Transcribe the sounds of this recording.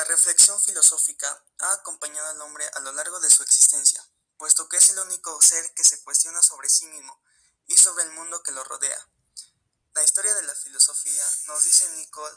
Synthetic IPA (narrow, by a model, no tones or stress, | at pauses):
lare̞fle̞ksjo̞ɱfilo̞so̞fika | aːko̞mpaɲaðoalo̞mbɾe̞ʔalo̞laɾɣ̞o̞ðe̞sue̞ksi̥st̪e̞nsja̰ | pwe̞st̪o̞keese̞luniko̞se̞ɾke̞se̞kwe̞st̪jo̞naso̞βɾe̞simizmo̞ | iso̞βɾe̞ːlmũnd̪o̞ke̞lo̞ro̰ðe̞a̰ | laist̪oɾjaðe̞lafilo̞so̞fiano̞zðise̞nikol